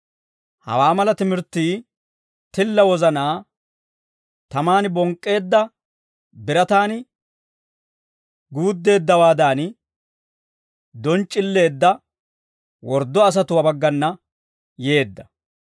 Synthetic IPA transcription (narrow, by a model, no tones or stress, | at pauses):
hɐ̰waːmɐlɐt̪ɪmɪɾt̪ːiː | t̪ɪlːɐwɔzɐnaː | t̪ɐmaːnbɔŋkʼːe̞ːd̪ːɐ | bɪɾɐt̪aːn | ɡuːd̪ːe̞ːd̪ːɐwaːd̪aːn | d̪ɔnt͡ʃʼːɪlːe̞ːd̪ːɐ | wɔɾd̪ːɔɐs̬ɐt̪ʊwɐbɐɡːɐnːɐ | je̞ːd̪ːɐ